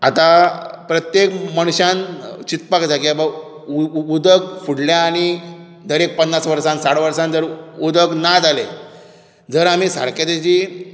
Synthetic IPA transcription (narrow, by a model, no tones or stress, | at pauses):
at̪apɾət̪jekməɽ̃ɕãnt͡ɕit̪̚pakd͡zʱakiaba | ud̪əɡfuɽljaːɽ̃i | d̪əɾek̚pənːasʋəɾsãnsaɽʋəɾsãnd͡zəɾud̪əɡnad͡zale | d͡zəɾam̤iːsa̰ɽkad̪et͡ɕiː